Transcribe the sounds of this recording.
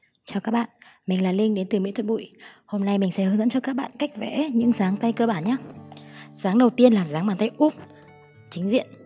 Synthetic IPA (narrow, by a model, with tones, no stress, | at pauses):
t͡ɕɔ˧wkaː˦˥k̚ɓa̰ː˧˨nmï˨˩ŋ̟laː˨˩lï˧ŋ̟ɗe˨˦nt̪ɨ˨˩mḭ˧˥t̪ʰə˧˨˩ɓṵ˧˨jho˧mna˧jmi˨˩ŋ̟sɛ̰˧˥ɨː˨˦zə̰˧˥nt͡ɕɔ˧kaː˦˥k̚ɓa̰ː˧˨nka˦˥jk̟̚vɛ̰˧˥ɲɨ̰˧˥ŋsaː˨˦ŋt̪a˧jkəː˧ɓaː˧˩nɲaː˨˦ | zaː˨˦ŋɗə˨˩wt̪i˧ənlaː˨˩zaː˨˦ŋɓaː˨˩nt̪ə˧jʔu˦˥p̚ | t͡ɕï˨˦ŋ̟zḭ˧˨ən